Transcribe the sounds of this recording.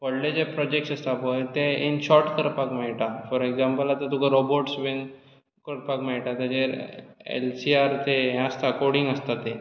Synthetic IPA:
pəɽled͡ʑepɾɔd͡ʑek̚ʈsəst̪apəjt̪eenɕɔɾʈkəɾpakmaiʈafɔɾekd͡zampəlat̪ət̪ukʰaɾoboɾʈsʋen | kəɾpakmaiʈat̪ad͡ʑeɾḛlsiaɾt̪eɦãst̪aəkɔɾɽiŋɡəst̪at̪e

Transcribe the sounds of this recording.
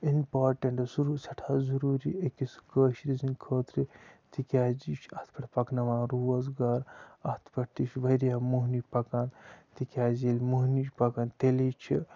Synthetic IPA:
inpaːɾʈɐɳʈsuɾusɐʈʰaːzuɾuːɾḭekisɡəːʃɾizinkʰəːt̪ɾit̪ikʲaːd͡ʒit͡ʃʰɐht̪pɐʈʰpɐknɐʋaːɾuːɐzɡaːɾɐt̪ʰpɐʈt̪it͡ʃʰʋɐɾjaːmuɦnipɐkaːnt̪ikʲaːzilʲmuɦnit͡ʃpɐkaːnt̪elit͡ʃʰi

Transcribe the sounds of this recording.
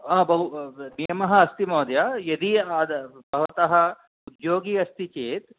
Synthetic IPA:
aːbʱɐɦunijɐmɐɦɐɐst̪imoːd̪jajɐd̪iaːd̪bʱɐʋɐt̪ɐɦɐ̆ | ud̪joːɡiːɐst̪it͡ʃeːt̪

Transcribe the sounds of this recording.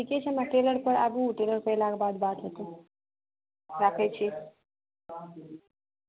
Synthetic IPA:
ʈʰiket͡ɕʰemaʈeləɾpəɽabuʈeləɾpəlaɡbad̪bat̪ɦet̪o | ɾakʰajt͡ɕi

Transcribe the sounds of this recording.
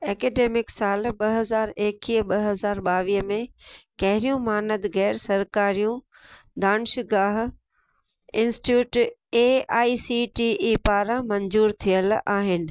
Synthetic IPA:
ɛːkeːɖeːmɪksaːlɓɐɦɐzaːɾeːkiːɓɐɦɐzaːɾɓaːʋiːɦəmẽkɐɦɪɾijũmaːnəd̪ɣɛːɾsɐɾkaːɾijũ | d̪aːnʃɪɡaːɦ | ɪ̃nsʈjuːʈeːaːisiʈiːʔipaːɾãmɐ̃ɲzuːɾt̪ʰiəlaːɦɪnɪ̆

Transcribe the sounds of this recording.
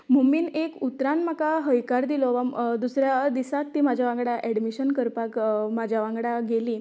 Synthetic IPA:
muminekut̪ɾãnmakaɦəjkaɾd̪ilɔʋad̪usɾjad̪isak̚t̪iːmad͡ʑʱjaʋãŋɡɽaʔɛɽmiɕənkəɾpakmad͡ʑʱjaʋãŋɡɽaɡeliː

